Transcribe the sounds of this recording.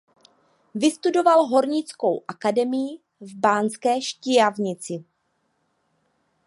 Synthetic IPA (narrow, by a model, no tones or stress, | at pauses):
vɪst̪udo̞valɦo̞ɾɲɪt͡sko̞wʔakadɛmɪjɪ | vbaːnskɛːʃcɪjavɲɪt͡sɪ